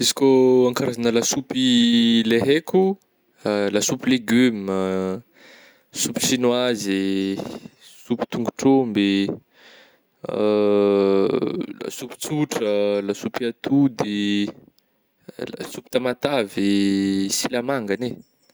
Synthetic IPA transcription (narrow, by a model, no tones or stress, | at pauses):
izi̥kʲoaŋkaɾazanəlasupileɦekʲu | lasupileɡym | supi̥ʃinwaze | supi̥t̪uŋɡuʈ͡ʂombe | la̰supi̥t͡suʈ͡ʂəlasupiat̪ud̪e | la̰supi̥t̪amat̪avesilamaŋɡane